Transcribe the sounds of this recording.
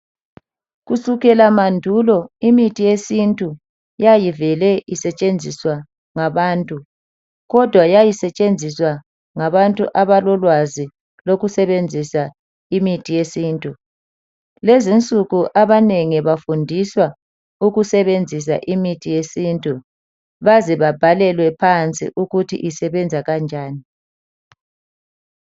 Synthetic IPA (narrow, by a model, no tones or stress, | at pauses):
ɣusuɣɛlamandʱulɔimitʰʼijesintʼu | jajivɛlɛisɛt͡ʃʼend͡zʱiswa | ŋaβaːntʼu | ɣɔd̥ʱwajajisɛt͡ʃʼend͡zʱiswa | ŋaβantʼuʔaβalɔlwazi | loɣusɛβend͡zʱisa | imitʰijesiːntʼu | lezint͡sʼuɣuʔaβaneŋiβafundʱiswa | uɣusɛβend͡zʱis̬a̰ʔimitʰijesiːntʼu | βazɛβab̥ʱalɛlwɛpʰant͡sʼḭʔuɣutʰḭʔisɛβɛnd͡zʱaɣand͡ʒʱaːni